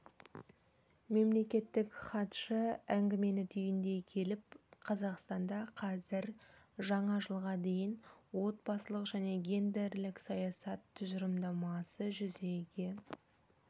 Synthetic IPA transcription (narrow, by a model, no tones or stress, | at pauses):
me̞mle̞kʲe̞t̪ːɪkχɑt̪ʃəæŋɡʲɪme̞nɪt̪ʰʏjɪnd̪e̞kʲʰe̞lɪp̚qʰɑzɑqst̪ɑnd̪ɑqʰɑzɪɾ | ʒɑɴɑʒəlˠʁɑd̪e̞jɪnwo̞t̪̚bɑsəlˠəqʒæne̞ɡʲe̞nd̪e̞ɾlɪksɑjɑsɑt̪ʰːʏʒəɾəmd̪ɑmɑsəʒʏze̞ɡʲe